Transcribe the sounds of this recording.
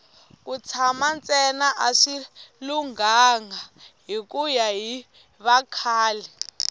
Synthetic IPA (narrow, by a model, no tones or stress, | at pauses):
kut͡sʰamant͡sɛnaʔaʂiluŋaŋaɦikujaɦi | βakʰaːlɛ